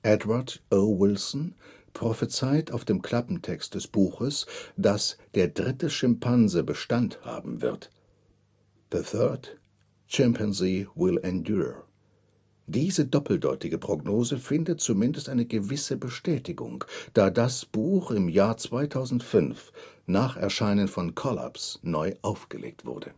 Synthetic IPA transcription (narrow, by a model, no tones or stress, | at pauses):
ʔɛdwadʔowɪlsn̩ | pʁ̥ɔfət͡saɪtaʊfd̥eːmkʰl̥apm̩tʰɛkst̚d̥ɛsb̥uːxəsd̥asd̥eːɐdʁɪtəʃɪmpʰanzəbəʃtantha̰ːbm̩vɪ̰ɐt | ðəθɜɐd | t͡ʃɛmpʰənsliːwɪlɛndju | d̥iːzədɔpl̩dɔʏtɪɡəpʁ̥oɡnoːzəfɪndət̚t͡sumɪndəstʔaɪnəɡəvɪsəbəʃtɛːtɪɡʊ̰ŋd̥aːdasb̥uːxɪmjaːɐt͡sv̥aɪtʰaʊzn̩tfʏnfnaːχʔɛ̰ɐʃaɪnənfɔnkʰɔla̰psnɔʏʔaʊfɡ̥ə̰lʔḛːk̚tv̥ʊ̰ʁɐdə